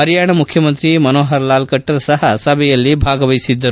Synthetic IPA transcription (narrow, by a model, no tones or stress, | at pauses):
ɐɾjaːɳɐmukʰjɐmɐnt̪ɾimɐnoːɦɐɾlaːlkɐʈːɐɾsɐɦɐsɐbʱɛjɐlːibʱaːɡɐʋɐjisid̪ːɐɾu